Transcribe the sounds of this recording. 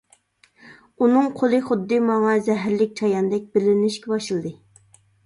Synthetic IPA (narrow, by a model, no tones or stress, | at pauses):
unɨŋqʰolˠɨχʊd̪ːɨmɑŋɑzɛɦɾlɪk̚ʲt͡ʃʰɑjɑnd̪ɛk̚ʲbɪlɪnɪʃkʲɛbɑʃɨlˠd̪ɨ